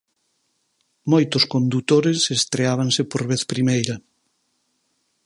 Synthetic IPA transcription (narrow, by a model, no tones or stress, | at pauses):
mojt̪ʊskond̪ut̪oɾesest̪ɾeaβ̞aŋsepoɾβeθpɾimejɾɐ